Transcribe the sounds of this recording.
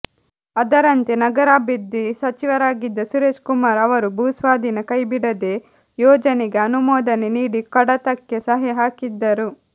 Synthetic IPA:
ɐd̪ɐɾɐnt̪enɐɡɐɾaːbid̪ːisɐt͡ʃiʋɐɾaːɡid̪ːɐsuɾeːʃkumaːɾɐʋɐɾubʱusʋaːd̪ʱinɐkɐjbiɽɐd̪e̞ | jɔːd͡ʒɐneɡe̞ɐnumɔːd̪ɐneniːɽikɐɽɐt̪ɐkːesɐɦɐɦaːkid̪ːɐɾu

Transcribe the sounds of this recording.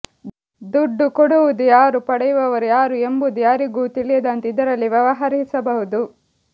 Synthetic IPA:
d̪uɖːukoɽuʋud̪ujaːɾupɐɽɐjuʋɐʋɐɾujaːɾue̞mbud̪ujaːɾiɡuːt̪iɭijɐd̪ɐnt̪id̪ɐɾɐlːiʋjɐʋɐɦɐɾisɐbɐɦud̪u

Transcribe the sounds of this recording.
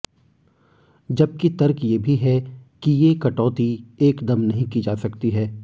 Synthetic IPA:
d͡ʒɐb̚kit̪ɐɾkjeːbʱiɦɛkijekɐʈɔːt̪ieːkd̪ɐmnɐɦĩkid͡ʒaːsɐkt̪iɦɛː

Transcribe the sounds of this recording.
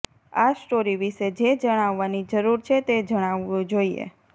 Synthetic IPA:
asʈoɾiʋiʃed͡ʒed͡ʒəɽ̃aʋːanid͡ʒəɾuɾt͡ʃʰet̪ed͡ʒəɽ̃aʋũd͡ʒoiḛ

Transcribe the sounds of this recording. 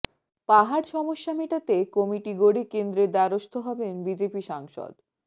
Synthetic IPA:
paɦaɽʃɔmoʃːamiʈat̪ekomiʈiɡoɽikend̪ɾed̪aɾoʃt̪ʰoɦɔbenbid͡ʑepiʃaŋʃo̰d̪

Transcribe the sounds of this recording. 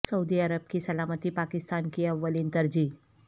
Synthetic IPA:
səud̪iəɾəb̚kisəlamət̪iːpakist̪ankiɐʋːəliːnt̪əɾd͡ʑiː

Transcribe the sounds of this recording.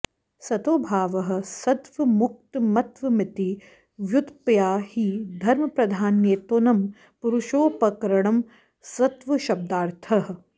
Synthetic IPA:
sɐt̪oːbʱaːʋɐɦɐ̆sɐt̪ʋɐmuk̚t̪mɐt̪ʋɐmɪt̪i | ʋjut̪pjaːhid̪ʱɐɾmɐpɾɐd̪ʱaːnjeːt̪oːnɐm | puɾuʃoːpɐkɐɾɐɳ̃ɐm | sɐt̪ʋɐʃɐb̚d̪aːɾt̪ʰɐɦɐ̆

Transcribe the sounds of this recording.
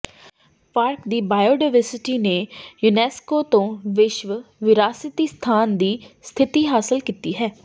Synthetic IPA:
paːɾkd̪iːbaːjoːɖaːɪʋəɾsɪʈiːneːjunɛːskoːt̪õːʋɪʃʋʋɪɾaːsɪt̪iːst̪ʰaːnd̪iːst̪ʰɪt̪iːɦaːsɪlkiːt̪iːɦɛː

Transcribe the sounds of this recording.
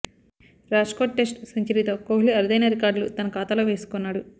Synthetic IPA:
ɾaːʂkoːʈːe̞sʈsɐɲt͡ʃiɾit̪oːkoːɦliɐɾud̪ɐjnɐɾikaːɾɖlut̪ɐnɐkaːt̪aːloːʋe̞ːsu̥kunːaːɽu

